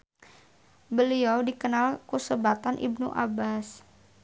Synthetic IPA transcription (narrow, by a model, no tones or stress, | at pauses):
bəliawdikənalkusəbat̪anʔḭbnṵʔa̰bas